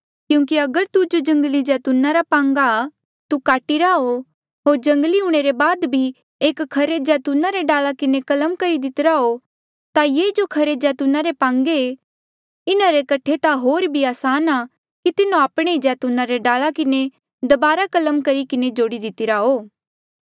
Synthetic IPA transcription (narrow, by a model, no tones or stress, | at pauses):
kjũːk̬iɐɡəɾt̪ud͡ʒod͡ʒɐ̃ŋɡəlid͡ʒɛːt̪unaɾapãːŋɡa | t̪ukaːʈiɾaɦo | ɦoːɾd͡ʒɐ̃ŋɡliuɽ̃eɾebaːd̪bʱi | eːkkʰːɐɾed͡ʒɛːt̪unaɾeɖaːlakɪnekɐləmkɐɾid̪ɪt̪ɪɾaɦo | t̪ajeːd͡ʒokʰɐɾed͡ʒɛːt̪unaɾepãːŋɡe | ɪnaɾekɐʈʰet̪aɦoːɾbʱiaːsaːna | kit̪ɪnõaːpɽ̃ed͡ʒɛːt̪unaɾeɖaːlakɪne | d̪ɐbaːɾakɐləmkɐɾikɪned͡ʒoːɽid̪ɪt̪ɪɾaɦoː